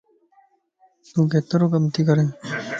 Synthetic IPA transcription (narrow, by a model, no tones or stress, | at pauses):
t̪ũːkeːt̪ɐɾoːkɐmt̪iːkɐɾẽː